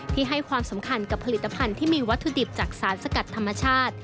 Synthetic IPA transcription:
iː˥˩ɦa˥˩jkʰwaː˧msa˩˦mkʰa˧nka˨˩pʰa˧li˨˩t̪ːa˧pʰa˧nt̪ʰiː˥˩miː˧wa˦˥t̪ʰːu˧di˨˩p̚t͡ɕaː˨˩k̚saː˩˦nsa˧ka˨˩t̪ʰːa˧mːa˧t͡ɕʰaː˥˩t̪̚

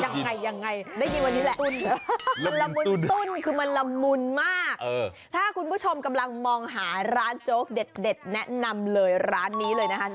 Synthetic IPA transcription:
ja˧ŋːa˧jːa˧ŋːa˧jdaː˥˩jmiː˧wa˧nːiː˦˥lɛ˨˩ʔ̪u˥˩nɯ˦ma˧nla˧mːu˧˥t̪u˥˩nkʰɯː˧ma˧nla˧mːu˧nmaː˥˩k̚ʔː | t̪ʰaː˥˩kʰu˧npʰu˥˩t͡ɕʰo˧mka˧mla˧ŋmɔː˧ŋɦaː˩˦ɾaː˦˥nt͡ɕoː˦˥k̚de˨˩t̪̚de˨˩t̪̚nɛ˦˥ʔna˧mlɤː˧jɾaː˦˥nːiː˦˥lɤː˧jna˦˥kʰa˦˥

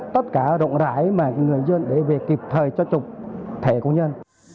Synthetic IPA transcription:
t̪ə˦˥t̚kaː˧˩zo̰˧˨ŋ͡mza̰ː˧˥jmaː˨˩˧ŋɨ˨˩əjzə˧nɗe˧˩ve˨˩ki˨˩p̚t̪ʰəː˨˩jt͡ɕɔ˧t͡ɕʊ˨˩k͡p̚t̪ʰe˧˩ko̰˧ɲə˧n

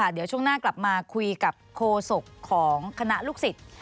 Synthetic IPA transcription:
a˥˩d̪i˨˩˦əwt͡ɕʰu˥˩əŋnaː˥˩kla˨˩p̚maː˧kʰu˧jka˨˩p̚kʰːoː˧so˨˩kʰːɔː˩˦ŋkʰa˧na˦˥ʔluː˥˩k̚si˨˩t̪̚

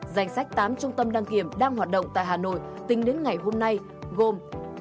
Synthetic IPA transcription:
za˨˩jŋ̟sa˦˥k̚t̪aː˨˦mt͡ɕʊ˧ŋ͡mt̪ə˧mɗaː˧ŋki˧˩əmɗaː˧ŋhwaː˨˩t̚ɗə̰˧˨wŋ͡mt̪a̰ː˧˨jɦaː˨˩no̰˧˨j | t̪ï˨˦ŋ̟ɗe˨˦nŋa˨˩jɦo˧mna˧j | ɣo˨˩m

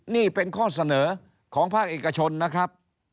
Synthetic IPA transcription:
niː˥˩pe˧nkʰɔː˥˩sa˧nɤː˩˦ | kʰɔː˩˦ŋpʰaː˥˩k̚ʔeː˨˩ka˧t͡ɕʰo˧nːa˦˥kʰɾa˦˥p̚

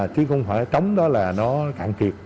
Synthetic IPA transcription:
t͡ɕɨ˨˦xə˧wŋ͡mfaː˧˩jt͡ɕə˨˦wŋ͡mɗɔ˨˦laː˨˩nɔ˨˦kaː˧˩ŋt̪ʰi˨˩ət̚

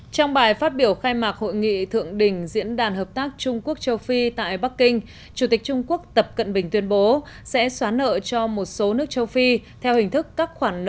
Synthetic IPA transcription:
t͡ɕɔ˧wŋ͡mɓaː˨˩jfaː˦˥t̚ɓi˧˩əwxaː˧jmaː˨˩k̚ho̰˧˨jŋḭ˧˨t̪ʰɨ̰˧˨əŋɗï˨˩ŋ̟zḭ˧˥ənɗaː˨˩nɦəː˨˩p̚t̪aː˦˥k̚t͡ɕʊ˧ŋ͡mku˦˥ək̚t͡ɕə˧wfi˧t̪a̰ː˧˨jɓa˦˥k̚ːï˧ŋ̟ | t͡ɕu˨˧˩t̪ï˨˩k̟̚t͡ɕʊ˧ŋ͡mku˦˥ək̚t̪ə˨˩p̚kə̰˧˨nɓï˨˩ŋ̟t̪wi˧ənɓo˨˦ | sɛ̰˧˥swaː˨˦nːə̰ː˧˨t͡ɕɔ˧mo˨˩t̚so˨˦nɨ˦˥ək̚t͡ɕə˧wfi˧t̪ʰɛ˧whï˨˩ŋ̟t̪ʰɨ˦˥kːaː˦˥k̚xwaː˧˩n˧˨

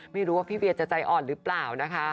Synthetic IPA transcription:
ma˥˩jɾuː˦waː˥˩pʰiː˥˩wi˧t̪̚t͡ɕa˨˩t͡ɕa˧jʔɔː˨˩nɾɯː˦˥plaː˨˩wna˦˥kʰa˦˥

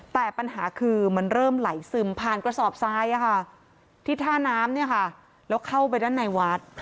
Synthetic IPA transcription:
t̪ɛː˨˩pa˧nɦaː˩˦kʰɯː˧ma˧˥nɾɤː˥˩mla˩˦jsɯː˨˩mpʰaː˨˩nkɾa˧sɔː˨˩p̚saː˦˥jʔa˧˩kʰa˥˩ | t̪ʰiː˥˩t̪ʰaː˥˩naː˦˥mni˥˩ɐkʰa˥˩ | lɛː˦˥wkʰa˥˩wp̬a˧jdaː˥˩nːa˧jwa˦˥t̪̚

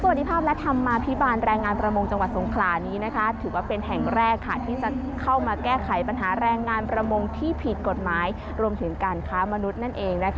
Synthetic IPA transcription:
sa˧w̪̚di˧pʰaː˥˩p̚lɛ˦˥t̪ʰa˧mːaː˧pʰi˦˥baː˧nɾɛː˧ŋːaː˧npɾa˧mo˧ŋt͡ɕa˧ŋwa˨˩t̪̚so˩˦ŋkʰlaː˩˦niː˦˥na˦˥kʰa˦˥t̪ʰɯː˩˦waː˥˩pe˧nɦɛ˨˩ŋɾɛː˥˩kʰːa˥˩t̪ʰiː˥˩t͡ɕa˨˩ | kʰa˥˩wmaː˧kɛː˥˩kʰa˨˩˦jpa˧nɦaː˩˦ɾɛː˧ŋːaː˧npɾa˧mo˧ŋt̪ʰiː˥˩pʰi˨˩t̪̚ko˨˩t̪̚maː˩˦j | ɾu˧əmt̪ʰɯ˩˦ŋkaː˧nkʰaː˦˥ma˧nu˦˥t̪̚na˥˩nʔeː˧ŋna˦˥k

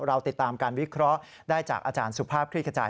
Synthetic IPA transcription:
ɾa˧wt̪i˨˩t̪ːaː˧mkaː˧nwi˦˥kʰɾɔ˦˥ʔ | daː˥˩jt͡ɕaː˨˩k̚ʔaː˧t͡ɕaː˧nsu˨˩pʰaː˥˩p̚kʰɾiː˥˩kʰa˧t͡ɕa̰ː˧˩

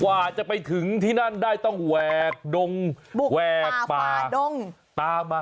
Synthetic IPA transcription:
kwaː˧˨˩t͡ɕa˨˩pa˧jt̪ʰɯ˩˦ŋt̪ʰiː˥˩na˥˩ndaː˥˩jt̪ɔ˥˩ŋwɛː˨˩k̚do˧ŋ˨˩wɛː˨˩k̚paː˨˩˨o˧ŋ | t̪aː˧maː˧

